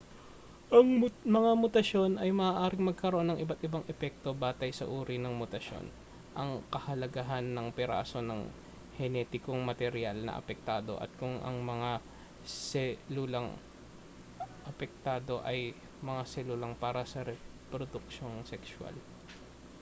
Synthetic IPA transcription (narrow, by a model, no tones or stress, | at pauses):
ʔɐŋmɐŋamʊt̪ɐʃo̞nʔɐjmɐʔaːʔaːɾɪŋmɐɡ̚kɐɾoʔo̞nːɐŋʔɪbat̪ɪbaŋɛpɛk̚t̪o̞baːt̪ɐjsɐ̰ʔuːɾinɐŋmʊt̪ɐʃjo̞̰n | ʔɐŋkɐhɐlɐɡaɦanːɐŋpɛɾa̰ːso̞nɐŋ | hɛnɛːt̪ɪkoŋmɐt̪ɛɾjalnɐ̰ʔɐ̰pɛk̚t̪aːd̪o̞̰ʔɐ̰t̪̚kʊŋʔɐ̰ŋmɐŋa | sɛlulɐŋ | ʔɐpɛk̚t̪aːd̪o̞ʔɐj | mɐŋasɛlulɐŋpaːɾɐsɐɾɛpɾod̪ʊk̚ʃo̞ŋsɛkswa̰l